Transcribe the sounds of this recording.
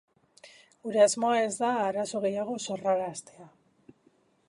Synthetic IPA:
ɡuɾe̞azmoae̞zd̪aːɾaso̞ɣ̞e̞jaɣ̞o̞so̞ralaːst̪e̞a

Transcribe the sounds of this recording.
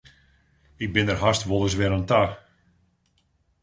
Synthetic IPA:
ɪk̚bɪnərɦastʋolˠəs̬ʋɪɾənta

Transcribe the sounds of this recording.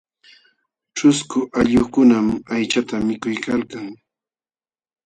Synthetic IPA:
t͡ʃʊskʊʔaʎoχkʊnamajt͡ʃat̪amɪkʊjkalkaŋ

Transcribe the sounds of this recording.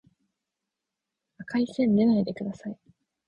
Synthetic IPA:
akaisẽ̞nd̪e̞naid̪e̞kɯ̟d̪asai

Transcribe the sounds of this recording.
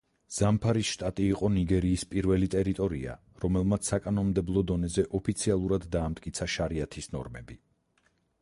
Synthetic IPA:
z̥ampʰaɾisʃt̪ʼat̪ʼiːqʼɔniɡɛɾiːspʼiɾvɛlit̪ʼɛɾit̪ʼɔɾia̰ | ɾɔmɛlˠmat̪sʰsakʼanɔmd̪ɛblˠɔd̪ɔnɛzɛʔɔpʰit̪sʰialˠuɾad̪ːaːmt̪ʼkʼit̪sʰaʃaɾiat̪ʰisnɔ̰ɾmɛbi

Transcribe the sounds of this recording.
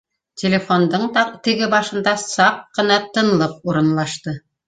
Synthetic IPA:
tʲelʲefond̪ɤɴt̪ɘ̆ɡɘbɑʃɤ̆nd̪ɑsɑq̚qɤ̆nɑt̪ɤ̆nlˠɤp̚uɾɤ̆nlˠɑʃt̪ɤ

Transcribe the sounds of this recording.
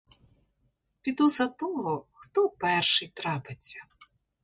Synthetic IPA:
pʲid̪ɔzɐt̪ɔɦɔxt̪ɔpɛrʃɪjt̪ɾɑpɪt͡sʲːɐ

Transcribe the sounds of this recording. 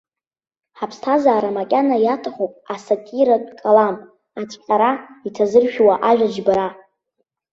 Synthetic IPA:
ħapʰstʰazaːɾamakʲʼanajatʰaχʷopʼasatʼiɾadʼkʼalamʼ | at͡sʰʼqʲʼaɾaitʰazɨrʃᶣwaʔaʒᶣad͡ʒbaɾa

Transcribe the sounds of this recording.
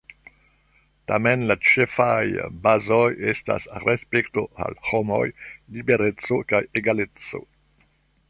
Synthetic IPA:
tamenlat͡ʃefajbazojesta̰sɾespekto̞̰a̰lhomo̰jlibe̞ɾet͡sokajeɡalet͡so̞̰

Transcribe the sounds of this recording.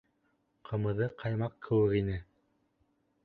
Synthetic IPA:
qʰɤ̆mɤ̆ðɤqʰɑjmɑqkʰːɘ̆wɘ̆kinɘ

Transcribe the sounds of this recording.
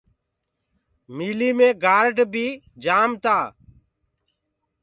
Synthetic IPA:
miːliːmẽːɡaːɾɖbʱiː | d͡ʒaːmt̪aː

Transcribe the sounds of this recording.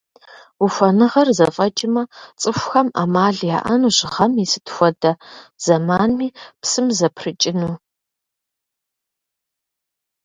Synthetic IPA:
uxʷɐnɨʁɐrzɐfʼɐt͡ʃʼɪmɐt͡sʼɨxʷxɐma̰maːɮja̰ːʔɐnuʑɪʁɐmisɨ̥txʷɔdɐz̥ɐmaːnmiːpsɨmzɐpʰrɨt͡ʃʼɪnuː

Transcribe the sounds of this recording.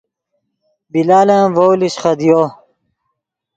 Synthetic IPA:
bilaːlãːvowliɕχɐd̪ijoː

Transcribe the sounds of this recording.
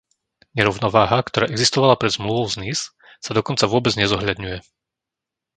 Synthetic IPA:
ɲɛɾɔʊnɔʋaːɦakt̪ɔɾaːʔɛɡzist̪ɔʋalapɾɛd̪zmluʋɔʊznis | sad̪ɔkɔnt͡saʋʊɔbɛd͡zɲɛzɔɦʎad̪ɲujɛ

